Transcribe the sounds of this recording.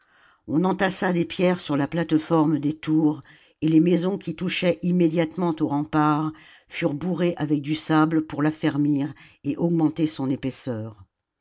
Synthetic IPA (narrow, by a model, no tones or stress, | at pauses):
ɔ̃nɑ̃t̪asad̪epjɛʁsyʁlaplat̪fɔʁmd̪et̪uʁ | elemezɔ̃kʲit̪uʃɛʔimːed̪jat̪mɑ̃t̪oʁɑ̃paʁ | fyʁbuʁeʔavɛk̚d̪ysabləpuʁlafɛʁmiʁeʔɔɡmɑ̃t̪esɔ̃nepɛsœːʁ